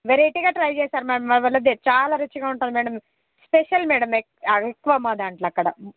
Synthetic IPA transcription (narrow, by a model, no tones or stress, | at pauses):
ʋeɾeʈiɡaːʈɾɐjd͡ʒɛːsaːɾmɛːɐmʋɐʋɐlːɐd̪et͡ʃaːlaːɾɐt͡ʃːiɡaːuɳʈund̪imɛːɽɐm | speʃɐlmɛːɽɐme | ɐekːuʋamaːd̪aːɳʈlɐkːɐɽɐ̰